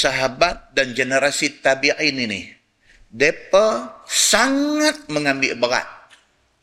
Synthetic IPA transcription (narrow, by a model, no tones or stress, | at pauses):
saɦabat̪̚dand͡ʒenəɾasit̪abiʔininih | depəsaŋat̪̚məŋambiʔbəɾa̰t̪̚